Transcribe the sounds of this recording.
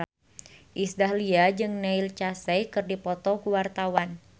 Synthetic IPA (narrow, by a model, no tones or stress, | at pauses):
ʔisdahliad͡ʒɨŋnɛilt͡ʃasɛjkɨrdipɔt̪ɔkuwart̪awan